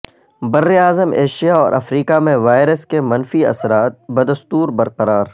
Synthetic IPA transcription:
bɐɾːeaːzəmeːʃijaɔːɾʔɐ̰fɾiːkamẽʋaːɪɾəskemɐnfiɐ̰sɾaːt̪̚bɐd̪ɐst̪uːɾbɐɾqɐɾaːɾ

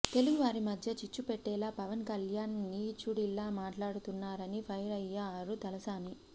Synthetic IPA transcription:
t̪e̞luɡuʋaːɾimɐd̪ʱjɐt͡ʃit͡ʃːupeʈːɛːlaːpɐʋɐnkɐljaːnːiːt͡ʃuɽilːaːmaːʈlaːɽut̪unːaːɾɐnipʰɐjɾɐjːaːɾut̪ɐlɐsaːni

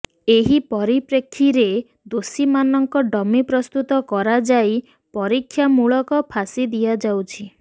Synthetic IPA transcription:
eɦipɔɾipɾekʰːiɾe | d̪osimanɔŋkɔɖɔmipɾɔst̪ut̪ɔkɔɾad͡ʒaj | pɔɾikʰːjamuɭɔkɔpʰasid̪ijad͡ʒawt͡ʃʰi

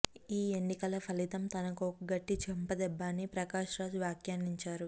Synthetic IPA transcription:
iːeɳːikɐlɐpʰɐlit̪ɐmt̪ɐnɐkoɐɡɐʈːit͡ʃʰɛmpɐd̪ɛbːaːnːipɾɐkaːʂɾaːd͡ʒʋjaːkjaːniɲt͡ʃaːɾu

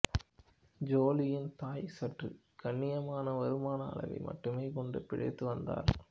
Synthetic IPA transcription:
d͡ʒoːlɪjɪnt̪aːjsɐʈrɯ̰ | kɐɳːɪjɐmaːnɐʋɐɾɯmaːnɐːɭɐ̰ʋɐ̰ɪmʔɐ̰ʈːɯmeːkɔɳɖɯpɪɻɐ̰ɪt̪ːɯʋɐnd̪a̰ːɾ

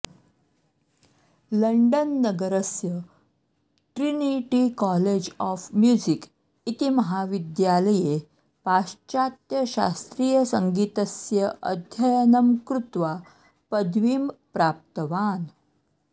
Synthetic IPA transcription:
ləɳɖənːəɡəɾəsjə | ʈɾiniʈikɔled͡ʑɔfmjud͡ʑik | it̪iməɦaʋid̪jaləje | paɕt͡ɕat̪jəɕa̰st̪ɾiːjəsəŋɡit̪əsjəʔə̰d̪ʱjəjənəmkɾut̪ʋa | pəd̪ʋiːmpɾap̚t̪əʋan

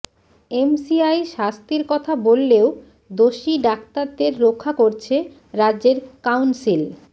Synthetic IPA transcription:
emsiajʃast̪iɾkɔt̪ʰabolːeo | d̪oʃiɖak̚t̪aɾd̪eɾːokʰːakoɾt͡ɕʰe | ɾadd͡ʑeɾkawnsil

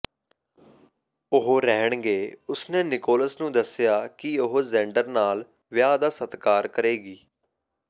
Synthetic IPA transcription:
ʊɦoːɾɛɦəɳ̃ɡeːʊsnẽːnɪkoːləsnũːd̪əsɪjaːkɪʊɦozɛ̃ːɳɖəɾnaːl | ʋɪjaːd̪aːsət̪kaːɾkəɾeːɡiː

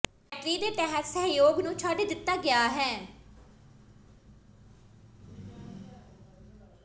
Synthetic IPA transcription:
ɛːʈɾiːd̪eːʈ̪ɛɦət̪səɦjoːɡnũːt͡ʃʰaːɖeːd̪ɪt̪ːaːɡɪjaːɦɛː

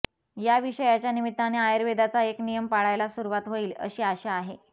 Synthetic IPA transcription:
jaʋiɕəjat͡ɕjanimit̪ːaneajəɾʋed̪at͡saeknijəmpaɭajlasuɾuʋat̪ɦoiːlə̰ɕiːaɕeaɦe

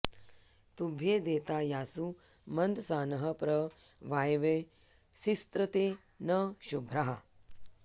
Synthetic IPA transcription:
t̪ubʱeːd̪eːt̪aːjaːsumɐnd̪saːnɐɦɐpɾɐʋaːjʋe | sist̪ɾɐt̪eː | nɐʃubʱɾaɦɐ

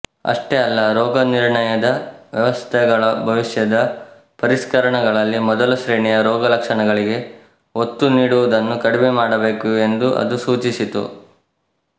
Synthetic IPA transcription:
ɐ̰ʂʈeɐlːɐɾɔːɡɐniɾɳɐjɐd̪ɐʋjɐʋɐst̪ʰɛɡɐɭɐbʱɐʋiʂjɐd̪ɐ | pɐɾiskɐɾɐɳɐɡɐɭɐlːimɔd̪ɐlɐʃɾeːɳijɐɾɔːɡɐlɐkʂɐɳɐɡɐɭiɡe̞ | ot̪ːuniːɽuʋud̪ɐnːukɐɽimemaːɽɐbe̞ːkue̞nd̪uʔɐ̰d̪usuːt͡ʃisit̪ṵ

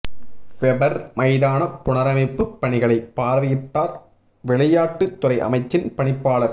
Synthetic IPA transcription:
ʋɛbɐɾmɐɪðaːnɐpʊɳɐɾɐmɐɪpːɯpːɐɳɪɣɐɭɐɪpːaːɾʋɐjɪʈːaːɾ | ʋɛɭɐjaːʈːɯt̪ːʊɾɐɪʔɐ̰mɐɪt͡ʃːɪnpɐɳɪpːaːɭɐɾ

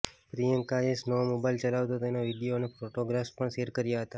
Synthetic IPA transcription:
pɾijəŋkaesnəʋomobailt͡ʃəlaʋt̪ot̪enoʋiɖijonefɾoʈoɡɾafpəɳʃeɾkəɾjaɦət̪a

